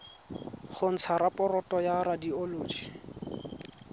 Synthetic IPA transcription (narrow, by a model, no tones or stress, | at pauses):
χʊn̩t͡sʰaɾapʼɔrɔtʼɔjaɾadioloːd͡ʒi